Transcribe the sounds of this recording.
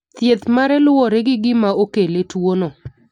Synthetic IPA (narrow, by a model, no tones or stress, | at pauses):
t̪jet̪maɾɛlwɔɾeɡɪɡɪmaokeletwono